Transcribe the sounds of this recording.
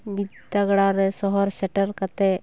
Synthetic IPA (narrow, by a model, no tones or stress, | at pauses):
bid̪aɡɽaɾɛsɔɦɔɾsɛʈəɾkat̪e